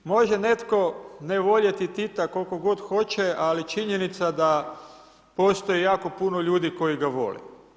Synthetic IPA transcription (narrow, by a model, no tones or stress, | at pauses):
mo̞ʒene̞t̪ko̞neʋo̞ʎet̪it̪it̪ako̞lko̞ɡo̞d̪xo̞t͡ɕealit͡ʃiɲenit̪sad̪a | po̞ːst̪o̞jijaːko̞puno̞ʎuːd̪iko̞iɡaʋo̞̰lḭ